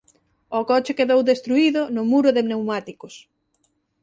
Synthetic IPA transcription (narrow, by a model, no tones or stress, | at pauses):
ɔkɔt͡ʃɪkeðowðest̪ɾuiðʊnʊmuɾʊðenewmat̪ikos